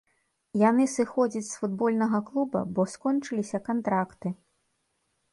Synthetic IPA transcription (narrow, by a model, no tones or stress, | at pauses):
janɨsɨxɔd͡zʲɐt͡sʲsfud̪̚bɔlʲnɐɣɐklˠubɐ̰bɔskɔnt͡ʂɨlʲisʲɐkant̪ɾakt̪ɨ